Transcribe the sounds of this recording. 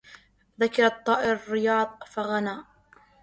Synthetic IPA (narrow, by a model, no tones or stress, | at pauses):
ðakɑɾˤɑt̪ˤːɑːʔɪɾrːɪjɑːðˤfaɣanaːʔ